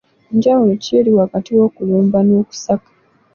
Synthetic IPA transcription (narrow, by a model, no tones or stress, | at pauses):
ɲɟawulociliwakatiwo̞ːkuloːmbanoːku̥sakḁ